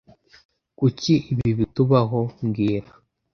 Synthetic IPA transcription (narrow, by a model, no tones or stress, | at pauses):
kuciʔiβiβituβaɦomɡiːɾa